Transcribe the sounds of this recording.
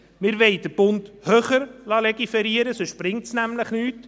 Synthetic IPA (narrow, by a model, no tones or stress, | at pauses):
mɪːɾʋɛɪd̥əb̥ʊndhøːχəɾlɑlɛɡifɛɾiəɾəsoʃprɪŋtsnæmləχnyːt